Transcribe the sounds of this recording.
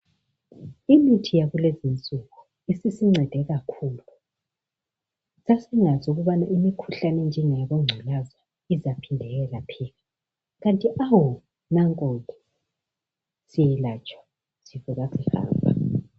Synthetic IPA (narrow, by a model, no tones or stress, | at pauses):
imitʰijaɣulezint͡sʼuɣu | isisiŋ͡ǀʱɛd̥ʱɛɣakʰuːlu | sasɛŋazuɣuβanaʔimikʰuɬanɛnd͡ʒʱɛŋɛɣɔŋ͡ǀʱalaza | izapʰindʱɛɣɛlapʰiɣa | ɣantʼiʔawɔ | naŋkʼɔkʼɛ | sijɛlat͡ʃʼwḁ | z̥ivuɣasɛha̰ːmbʱa